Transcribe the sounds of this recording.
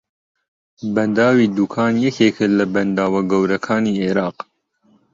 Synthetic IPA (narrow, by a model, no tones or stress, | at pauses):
bɐnd̪aːwiːd̪uːkʰaːnjɛkʰeːkʰɨlɐbɐnd̪aːwɐɡɐwɾɐkʰaːniːʔeɾɑːq